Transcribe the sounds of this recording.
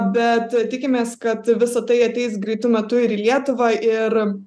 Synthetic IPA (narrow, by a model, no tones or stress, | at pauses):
bʲɛt̪t̪ʲɪkʲɪmʲeːskɐt̪ʋʲɪsɐt̪ɐɪɐt̪ʲɛɪsɡɾʲɛɪt̪ʊmʲɛt̪ʊɪɾiːlʲiɛt̪ʊʋɑːʔɪr